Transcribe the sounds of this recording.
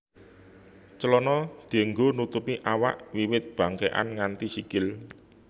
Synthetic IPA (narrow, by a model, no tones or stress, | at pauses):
t͡ʃəlɔnɔd̪̥e̤ŋɡonut̪upiʔawa̰ʔwiwɪt̪̚b̥a̤ŋkeʔa̰nŋant̪isikɪl